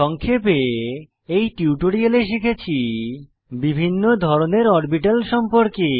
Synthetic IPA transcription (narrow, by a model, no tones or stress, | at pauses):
ʃɔŋkʰepe | ejʈiwʈoɾialeʃ̬ikʰet͡ɕʰi | bibʱinːod̪ʱɔɾoneɾɔɾbiʈalʃɔmpoɾke